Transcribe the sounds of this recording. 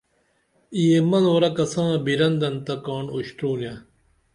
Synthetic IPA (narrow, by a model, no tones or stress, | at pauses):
ijemɐnoɾɐkɐsãːbiɾɐnd̪ɐnt̪ɐkaːɳoɕt̪uːnjã